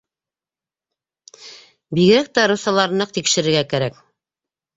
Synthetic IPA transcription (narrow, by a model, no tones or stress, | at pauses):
biɣɡɘɾæk̚t̪æɾusɑlˠɑɾnɤq̚t̪ikʃɘ̆ɾɘ̆ɾɡækæɾæk